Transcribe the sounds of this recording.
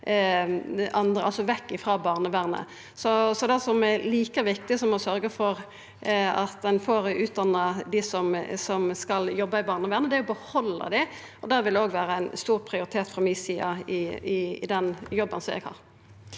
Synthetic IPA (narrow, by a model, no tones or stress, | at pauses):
ʔɑnd̪ɾəɑlsɔʋɛkːɪfɾɑːbɑːʁnəʋæːʁnə̰ | sɔsɔd̪æsɔmɛliːkəʋɪk̚t̪ɪsɔmɔsœɾɡəfɔʁ | ɑt̪d̪ɛnfoːɾʉːt̪̚d̪ɑnːɑd̪ɪsɔmsɔmskɑljɔbːɑɪbɑːʁnəʋæːʁnəd̪ɛæɔbəhɔlːɑ̰d̪ɪ | ɔd̪æʋɪlɛoːɡʋæːɾəæɪnst̪uːʁpʰɾɪʊɾɪt̪ʰeːt̪fʁɑmɪsiːɑɪɪɪd̪ɛnjɔbːənsɔmɛ̰ɡhɑ̰ːʁ